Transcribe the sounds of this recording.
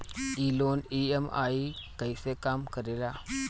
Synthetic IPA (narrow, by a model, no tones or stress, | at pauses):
iloniema̰ikəjsekamkəɾela